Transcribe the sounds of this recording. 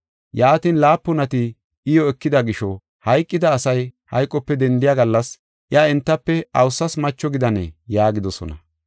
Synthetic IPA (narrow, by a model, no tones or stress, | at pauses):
jaːt̪inlaːpːʊnɐt̪ɪ | ɪjɔɛkːɪd̪ɐɡɪʃɔ | hɐjkʼːɪd̪ɐːsɐjhɐ̰jkʼːɔpːɛd̪ɛnd̪ɪjaɡɐlːɐs | ʔɪɐɛnt̪ːɐpːɛɐwsːɐsmɐt͡ʃːɔɡɪd̪ɐnɛ̰jaːɡɪd̪ɔsɔ̰nɐ̰